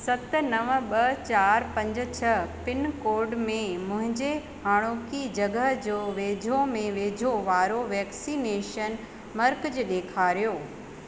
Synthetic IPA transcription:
sɐt̪̆nɐʋəɓɐt͡ɕaːɾpɐ̃ɲd͡ʑ̆t͡ɕʰəpɪnkoːɾɖmẽmʊ̃ɦɪ̃ɲd͡ʑe | haːɽ̃oːkid͡ʑɐɡəɦd͡ʑoːʋeːd͡ʑʱomẽʋeːd͡ʑʱoʋaːɾoʋɛːksiːneːʃən | mɐɾkd͡ʑɗeːkʰaːɾijoː

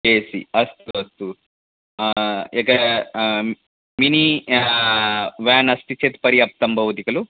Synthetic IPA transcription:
eːsḭɐst̪uɐst̪u | ikɐ | mini | ʋaːnɐst̪it͡ʃet̪pɐɾiɐp̚t̪ɐmbʱɐwt̪ikɐlu

